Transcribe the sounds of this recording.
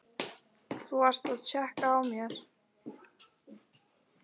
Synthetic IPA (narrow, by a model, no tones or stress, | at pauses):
θuar̥st̪aðt͡ɕʰɛhkaːwmjɛɾ̥